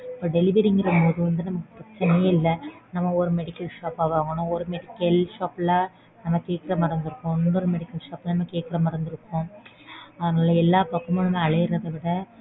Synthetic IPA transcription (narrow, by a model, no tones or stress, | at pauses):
pːɐːɖɛlɪʋɛɾɪŋɡɪɾɐɯɐðɯʋɐnd̪ɯnɐmɐkːɯpɾɐt͡ʃːɪnɛjeːɪlːɐnɐmːɐɔɾɯmɛɽɪkːɐlʂaːpaːʋaːŋɡɐɳʊ̃ɔɾɯmɛɽɪkːɐlʂaːplaː | nɐmːɐkeːʈkːɪɾɐmɐɽɐnd̪ɯɾɯkːõɔnːɔɾɯmɛɽɪkːɐlʂaːplɐnɐmːɐkeːʈ̚kːɪɾɐmɐɾɐnd̪ɯɾɯkːʊ̃ | ɐðɐnaːlɐɛlːaːpɐkːɐmɐɳɐmẽːɐɭɐjɪɾɐðɐʋɪɽɐ